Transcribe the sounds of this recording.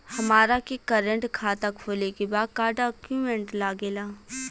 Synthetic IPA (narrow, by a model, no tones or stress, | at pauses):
hɐmaːɾakekɐɾə̃ɳʈkʰaːt̪akʰoːlekebaːd̪̚kaːɾɖaːkjumẽɳʈlaːɡeːlaː